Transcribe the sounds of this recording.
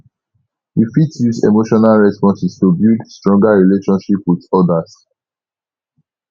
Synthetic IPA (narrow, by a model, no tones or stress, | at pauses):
hifitjuzḛmoʃɔnalɹɛspɔ̃nsɛstubildstɹɔ̃ŋɡaɹileʃɔ̃nʃipwiðɔdas